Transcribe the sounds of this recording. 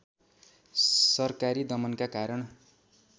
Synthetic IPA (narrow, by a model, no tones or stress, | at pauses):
sʌrkaɾid̪ʌmʌnkakaɾʌɳ